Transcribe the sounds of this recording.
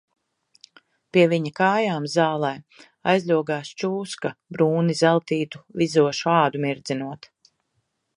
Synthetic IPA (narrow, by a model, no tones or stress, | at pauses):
piɛviɲakaːjaːmzaːlˠɛj | ajzʲlʲuɔɡaːst͡ʃuːskabɾuːnizælˠt̪iːt̪u̥vizuɔʃuaːd̪umiɾd̪zinuɔt̪